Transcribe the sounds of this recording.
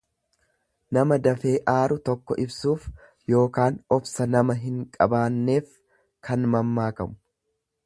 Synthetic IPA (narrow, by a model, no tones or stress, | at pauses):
nɐmɐd̪ɐfe̞ːʔaːɾʊt̪ɔkːɔʔɪbsuːf | jo̞ːkaːnɔbsɐnɐmɐɦɪŋkʼɐbaːnːe̞ːf | kɐnmɐmːaːkɐmʊ̥